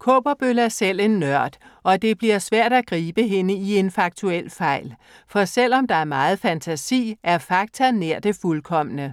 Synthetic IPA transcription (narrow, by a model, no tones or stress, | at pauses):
kʰɔ̰ːb̥ɐb̥ølæɐsel̰e̝nːɶɐ̰d̥ʔɒ̽d̥e̝b̥liɐ̰sʋæɐ̰d̥æɡ̥ʁiːb̥əɦe̝nəie̝nfɑ̈ɡ̥̚t͡sʰuel̰fɑ̈ɪ̰l | fɒ̽sel̰ɒ̽md̥ɑ̈æɐmɑ̈ːð̞̩ˠfænt͡sʰæsḭːʔæɐfɑ̈ɡ̥̚t͡sʰɐneɐ̰d̥e̝fulkʰɒ̽m̰ənə